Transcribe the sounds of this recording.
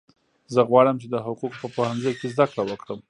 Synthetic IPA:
zəɣwɑɽəmt͡ʃed̪əɦʊquq̚pəpohanzəjkezd̪akɽawəkɽəm

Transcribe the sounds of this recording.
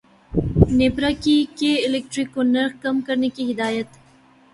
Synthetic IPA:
neːpɾakikeɪlek̚ʈɾikːonɐɾxkɐmkɐɾnekiɦɪd̪aːjət̪

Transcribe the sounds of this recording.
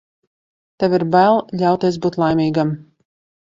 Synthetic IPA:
t̪ɛviɾbælˠʎʲawt̪iɛsbuːt̪lˠajmʲiːɡam

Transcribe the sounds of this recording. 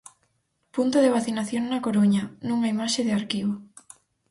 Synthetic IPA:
punt̪oðeβaθinaθjoŋnɐkoɾoɲɐnũŋaimaʃeðɪaɾkiβo

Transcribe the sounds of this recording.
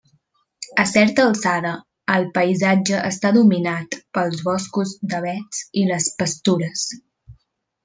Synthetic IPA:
əsɛɾt̪əlˠsaɾəː | lˠpəizad͡ʒəʔəst̪aðuminat̪pəlˠzβɔskuzd̪əβ̞ɛt͡siləspəst̪uɾəs

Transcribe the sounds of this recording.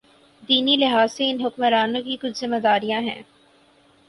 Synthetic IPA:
d̪iːnilɪɦaːzːeɪnɦʊkməɾaːnõkikʊt͡ʃʰzɪmad̪aːɾijãɦɛ̰̃ː

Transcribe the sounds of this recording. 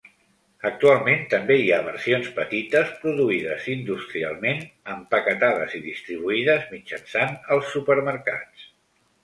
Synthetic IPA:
ək̚t̪ualˠment̪əmbeiaβə̰ɾsionspət̪it̪əspɾuðuiðə̰zind̪ust̪ɾia̰lˠmenəmpəkət̪aðə̰ziðist̪ɾiβ̞uiðəzmid͡ʒənsanəlˠsːupəɾməɾka̰t͡s

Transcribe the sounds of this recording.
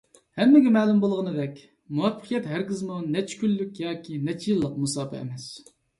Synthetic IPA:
hɛmːɪɡʲɛmɛːlˠumbolˠʁənɨd̪ɛkʲ | muwɛpʰːə̥qʰijɛt̪ɦæɾɡʲɪzmunɛt͡ʃkʲylːykʲjɑːkʲinɛt͡ʃʰijlˠːəq̚musɑːpʰɛ̰ḛmɛs

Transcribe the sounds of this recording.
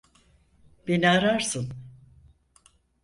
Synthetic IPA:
b̥eniaɾaɾsɯn

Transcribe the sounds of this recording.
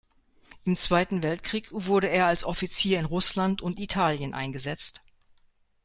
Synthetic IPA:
ʔɪmt͡sv̥aɪtn̩vɛltkʁ̥iːkv̥ʊɐɾəeːɐalsʔɔfit͡siːɐɪnʁʊslantʊntitʰaːljənʔa̰ɪnɡəzɛt͡st

